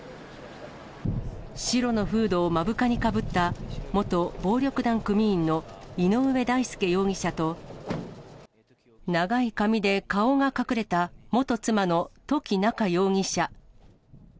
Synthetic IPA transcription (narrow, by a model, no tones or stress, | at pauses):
ɕiɾo̞no̞ɸɯ̟ːd̪o̞ːmabɯ̟kaɲ̟ikabɯ̟t̪ːamo̞t̪o̞bo̞ːɾʲo̞kɯ̟d̪ãŋkɯ̟mʲĩːnːo̞ino̞ɯ̟βe̞d̪aisɨ̥kejo̞ːŋʲiɕat̪o̞ | naɡaikamʲid̪e̞kao̞ŋakakɯ̟ɾe̞t̪amo̞t̪o̞t͡sɨmano̞t̪o̞kʲinakajo̞ːŋ̟ʲiɕa